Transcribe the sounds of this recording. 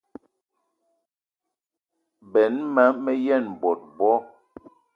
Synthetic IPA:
bɛ˨nma˨˦mɛ˦jɛ˦˨n˨bɔ˨t̚bɔ˦

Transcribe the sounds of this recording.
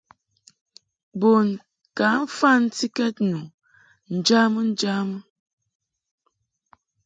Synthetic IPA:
bo˨n | ka˨˦ɱ̩˦fa˦˨n̩˦ti˦kɛ˦t̚nu˨ | n̩˨d͡ʒa˦mə˦n̩˦d͡ʒa˦mə˦

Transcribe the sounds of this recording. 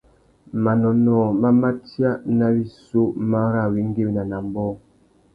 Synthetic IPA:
ma˨nɔ˨nɔː˨ma˦ma˦tja˦na˦bi˦so˦ma˦ɾa˦˨wi˦ŋ˦ɡe˦wi˨na˨na˨m˦bɔ˦

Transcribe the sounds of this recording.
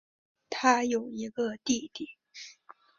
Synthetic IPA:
t̪ʰa˥jo˨˩ʊi˧˥ɡə˧t̪i˥˩t̪i˨˩˦

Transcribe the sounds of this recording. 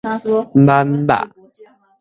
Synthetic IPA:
m̩˦ba˦m̩˦ba̰˦˨ʔ

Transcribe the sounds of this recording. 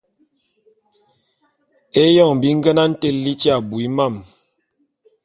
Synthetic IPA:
e˦jɔ˦˨ŋm˨bi˨˦ŋ̩˦ɡə˦na˦n̩˦te˦˨lli˦t͡ʃa˦˨bu˨i˦ma˦˨m

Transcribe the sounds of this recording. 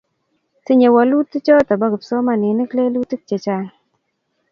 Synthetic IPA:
ti˦ɲe˨wɔ˨lu˦ti˦t͡ʃɔ˦ta˨bɔ˦ɡpsɔ˦ma˨nɪ˨ni˦kle˦lu˦tːi˦k̚t͡ʃe˨t͡ʃa˨

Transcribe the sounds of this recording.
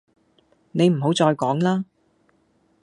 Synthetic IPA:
ne˨˧jm̩˨˩ɦo˨˥wt͡sɔː˧jkɔː˨˥ŋlaː˥

